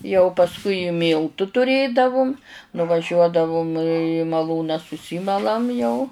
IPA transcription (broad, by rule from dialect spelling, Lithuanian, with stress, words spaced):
jɛʊ pɐsˈkʊɪ ɪ ˈmʲiːlˠtʊ tʊˈrʲeːdɐʋʊm nʊʋɐˈʒʲuɔdɐʋʊm iː mɐˈlˠuːnɑː sʊˈsʲiːmɐlˠɐm jɛʊ